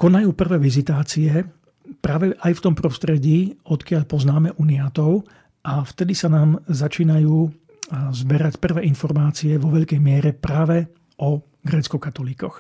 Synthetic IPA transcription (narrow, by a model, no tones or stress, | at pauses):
kɔnajuːpr̩ʋɛːʋizit̪aːt͡siɛ | pɾaːʋɛʔajft̪ɔmpɾɔst̪ɾɛɟiːɔt̪kɪaʎpɔznaːmɛʔunijaːt̪ɔʊ | ʔaft̪ɛd̪isanaːmzat͡ʃiːnajuː | zbɛɾacpr̩ʋɛːʔinfɔɾmaːt͡siɛʋɔʋɛʎkɛjmɪɛɾɛpɾaːʋɛ | ɔ | ɡɾɛːt͡skɔkat̪ɔliːkɔx